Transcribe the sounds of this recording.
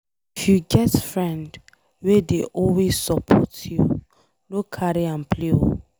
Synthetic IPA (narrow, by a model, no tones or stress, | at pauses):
ifjuɡɛtfɹɛ̃nd | wedeʔɔlwezsɔpʰɔtju | lokʰːaɾiãnpleo̰